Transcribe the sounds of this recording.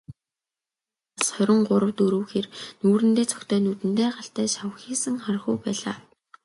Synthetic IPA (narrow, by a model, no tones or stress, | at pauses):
asχœɾʲɪ̆ŋɢʊɾə̆wt̪uɾɵ̆wxeːrnuːɾɘ̆nt̪eːt͡sʰɔ̥kt̪ʰœːnut̪ɘ̆nt̪eːɢaɬt̪æːʃawəxiːsə̆ŋχarχujpæːɮaː